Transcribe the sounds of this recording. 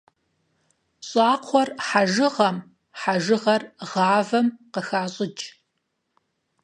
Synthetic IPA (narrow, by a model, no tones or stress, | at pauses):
ɕʼaːqʰʷɔrħaʒɨʁɐm | ħaʒɨʁɐrʁɑːvɐmqəxaːɕʼɪt͡ʃʼ